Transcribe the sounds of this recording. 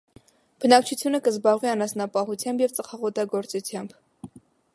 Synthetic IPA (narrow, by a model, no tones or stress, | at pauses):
b̥ənɑk̚t͡ʃʰut͡sʰjunəkəzbɑʁviɑnɑsnɑpɑɦut͡sʰjɑmbjɛvt͡səχɑʁɔt̪ɑɡɔɾt͡sut͡sʰjɑmb